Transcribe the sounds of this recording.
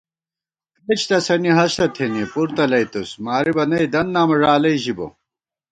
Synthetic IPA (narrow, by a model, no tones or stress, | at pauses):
ket͡ɕʰt̪ɐsɐniɦɐɕt̪ɐt̪ʰenipuɾt̪ɐlɐjt̪usmaːɾibɐnɐjd̪ɐnːaːmɐʐaːlɐiʑibo̰